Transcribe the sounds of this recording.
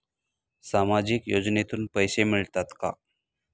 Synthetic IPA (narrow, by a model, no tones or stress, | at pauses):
samad͡ʑiːkjod͡znet̪uːnpəjsemiɭt̪at̪ka̰